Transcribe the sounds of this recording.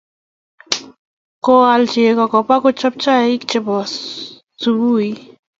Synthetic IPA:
ko˨a˨lt͡ʃi˨e˨kɔ˨kɔ˨pa˦ko˦t͡ʃɔ˦p̚t͡ʃa˦i˦kt͡ʃɪ˨bɔ˨ | su˨bu˦i˦

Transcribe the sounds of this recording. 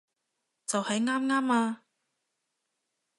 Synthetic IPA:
t͡sɐ˨whɐ˨˥jŋaː˥mŋaː˥maː˧

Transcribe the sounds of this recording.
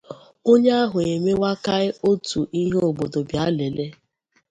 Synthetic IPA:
o˦ɲe˦a˦ɦʊ˨e˨me˦wa˦ka˦ɪ˦o˦tu˨ʔi˦ɦo˦˨bo˨do˨bja˦le˨le˦

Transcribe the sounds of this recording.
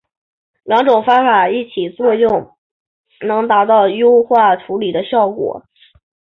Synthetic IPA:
ljɑ˧˥ŋʈ͡ʂʊ˨˩ŋfa˥nfa˨˩i˥˩t͡ɕʰi˨˩t͡swɔ˥˧jʊ˥˩ŋ | nɤ˧˥ŋt̪a˧˥t̪ɑ˥˩ʊjo˥ʊxwa˥˩ʈ͡ʂʰu˧˥li˨˩d̪ə˦ɕjɑ˥˩ʊkwɔ̰˨˩˦

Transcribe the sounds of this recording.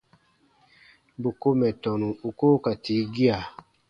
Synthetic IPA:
bo˨ko˦mɛ˨tɔ˨nũ˨u˨ko˦ka˨ti˨˦ɡi˦a˨

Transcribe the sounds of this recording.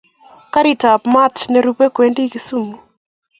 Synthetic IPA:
ka˦ɾi˨ta˨pma˦tnɛ˨ɾu˦pe˦kwe˨ndi˦ki˦su˦mu˨

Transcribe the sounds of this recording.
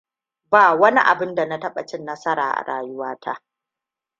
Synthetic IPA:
baː˦˨wɐ˦ni˦ʔa̰˨bɪ˦nda˨na˦tɐ˦ɓɐ˨t͡ʃɪ˦nːɐ˦sɐ˦ɾa̰ː˨ʔa̰˨ɽa̰ː˨jʊ˦waː˦tʰa̰˦ʔ

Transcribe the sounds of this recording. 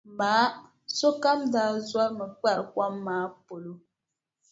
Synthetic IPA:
maː˨˦ | so˦ka˦mda˦zwa˦ɾmə˨k͡pɛ˦˨ɾkwa˦mːaː˦po˨lo˦

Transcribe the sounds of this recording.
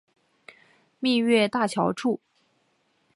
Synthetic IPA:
mi˥˧ɥɛ˥˧t̪a˥˩t͡ɕʰjɑ˧˥ʊʈ͡ʂʰu˥˩

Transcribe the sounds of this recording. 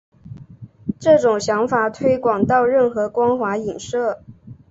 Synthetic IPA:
ʈ͡ʂɤ˥˩ʈ͡ʂʊ˨˩ŋɕjɑ˧˥ŋfa˨˩t̪ʰwe˥ɪkwɑ˨˩ŋt̪ɑ˥˧ʊɻə˥˩nxɤ˧˥kwɑ˥ŋxwa˧˥i˨˩nʂɤ˥˩

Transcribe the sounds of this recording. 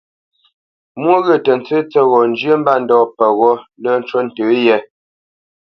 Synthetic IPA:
mwo˦ɣə˨tə˨n˨t͡sə˦t͡sɛ˦ɣɔ˨n˦d͡ʒɥə˦m̩˦ba˦n̩˨dɔː˨pə˨ɣɔ˦lə˦˨n˦t͡ʃwə˦n̩˨təː˨˦jɛ˦

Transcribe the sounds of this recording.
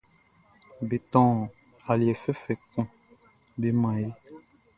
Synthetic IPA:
be˨tɔ̃ː˦˨ | a˨li˨ɛ˨fɛ˦fɛ˨kũ˦ | be˨mã˨je˦

